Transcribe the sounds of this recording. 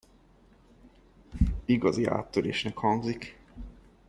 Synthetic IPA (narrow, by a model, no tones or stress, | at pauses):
iɡɒzia̰ːt̪ːøɾḛːʃnɛkhɒŋɡzik